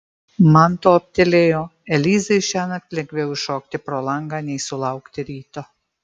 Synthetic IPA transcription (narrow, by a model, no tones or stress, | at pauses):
mant̪oːɐp̚ʲt̪ʲɛlʲeːjoːɛlʲiːzɐjʃʲæːnɐk̚t̪ʲlʲɛŋɡʲʋʲɛwʃɔːk̚t̪ʲɪpɾɔlˠɑŋɡɑnʲɛjsʊlˠɑʊkt̪ʲɪɾʲiːt̪o